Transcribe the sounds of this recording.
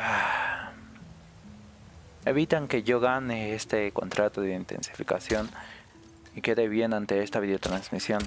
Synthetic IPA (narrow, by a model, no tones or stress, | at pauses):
a | eβit̪aŋkejoɣanehest̪eko̰nt̪ɾʔat̪oðeint̪ḛnsi̥fika̰sjon | iked̪aβjenant̪eest̪aβiðeot̪ɾansmisjon